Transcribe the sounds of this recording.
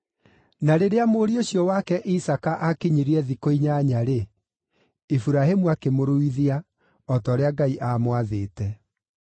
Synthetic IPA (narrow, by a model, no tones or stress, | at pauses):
naɾeɾeamoɾioɕjɔwakɛʔisakaʔakiɲiɾiɛðikoiɲaɲaɾe | fuɾahemuakemoɾoiðia | ɔtɔːɾeaɡaiʔamwaðeːtɛ